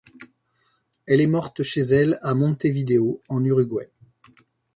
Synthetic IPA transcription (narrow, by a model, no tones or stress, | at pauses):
ɛlɛmɔʁt̪ʃezɛlamɔ̃t̪evid̪eoɑ̃nyʁyɡwɛ